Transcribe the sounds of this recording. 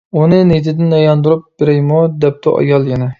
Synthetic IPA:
unɨnet̪ʰɪd̪ɪnɑjɑnd̪uɾup̚bɪɾɛjmud̪ɛp̚t̪ʰʊʔɑ̰jɑlˠjɛnɛ

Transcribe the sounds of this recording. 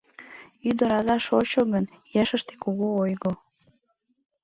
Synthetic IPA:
yd̪əɾɑzɑʃot͡ɕoɣən | jæʃəʃt̪e̥koɣoojɣo

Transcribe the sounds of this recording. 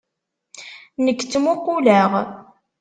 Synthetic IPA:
nəkːt͡sːmʊqːulæʁ

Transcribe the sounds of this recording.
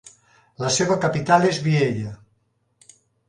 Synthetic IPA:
laseβakapit̪alezβieʎa

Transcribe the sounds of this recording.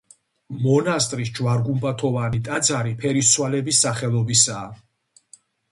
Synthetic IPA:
mɔnast̪ʼɾis̬d͡ʒwaɾɡumbat̪ʰɔvanit̪ʼad̪zaɾipʰɛɾiswalɛbisːaχɛlˠɔbisaː

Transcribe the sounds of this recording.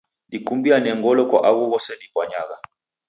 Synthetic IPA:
dikumbianɛŋɡɔlɔkwa̰ʔaɣuɣɔsɛnipwaɲaɣa

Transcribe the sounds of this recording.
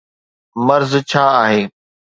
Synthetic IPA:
mɐɾzt͡ɕʰaːaːɦeː

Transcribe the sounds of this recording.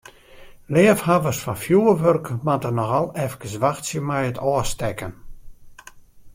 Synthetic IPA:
lɪːəfhavəsfɔnfjuəʋørkmatənɔxalˠɛfkəsʋaxsjəmɛjətɔəstɛkən

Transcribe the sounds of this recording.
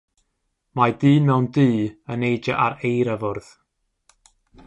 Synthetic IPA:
madɨːmɛwndiːənejd͡ʒaʔaɾejɾavʊrð̥

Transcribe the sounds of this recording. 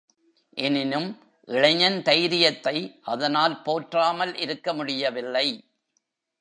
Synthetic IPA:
ʔɛnɪnɯm | ʔɪɭɐɲɐnt̪ɐjɾɪjɐt̪ːɐɪʔɐðɐnaːlpoːʈraːmɐlʔɪɾɯkːɐmʊɽɪjɐʋɪlːɐɪ

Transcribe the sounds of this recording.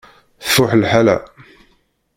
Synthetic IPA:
θʊħlħalæ̰

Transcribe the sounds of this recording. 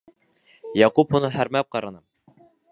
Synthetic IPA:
jɑqupunɤɦæɾmæp̚qɑɾɑ̆nɤm

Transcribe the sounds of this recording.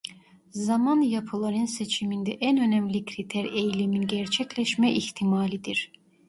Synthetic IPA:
zamanjapʰɯlˠaɾɯnset͡ʃʰimind̪ɛʔænø̞næmlʲicʰɾit̪ʰæɾejlʲiminɟæɾt͡ʃʰɛclʲɛʃmɛʔiçt̪ʰimaːlʲid̪iɾ̥

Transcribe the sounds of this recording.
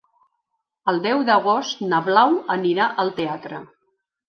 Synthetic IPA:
əlˠd̪ɛwd̪əɣ̞ost̪nəβlawəniɾaʔəlˠt̪eat̪ɾə

